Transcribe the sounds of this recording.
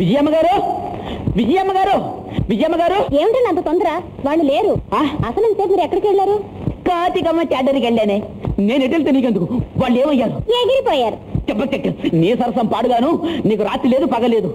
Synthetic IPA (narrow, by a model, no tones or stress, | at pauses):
ʋid͡ʒɐjamɐɡaːɾu | ʋid͡ʒɐjamːɐɡaːɾuʋid͡ʒɐjaːmɐɡaːɾueːmɐɳʈaːɳɖɐnt̪ɐt̪ɔnd̪ɐɾaː | ʋaːɭːuleːɾuaːɐsɐnɐnt̪eːmɐɾuɛkːɐɽɐkɛɭːaːɾu | kaːt̪ikɐmːɐkaːɖɐɾikeɭːaːneːneːneʈ̬elt̪eːniːk̬end̪ukuʋaːɭːeːmɐjːaːɾueːɡiɾipɔːjaːɾut͡ʃɛbːɐk̚ːekʈːɐniːsɐɾɐsɐmpaːɽuɡaːnuniːkuɾaːt̪ɾileːd̪upɐɡɐleːd̪u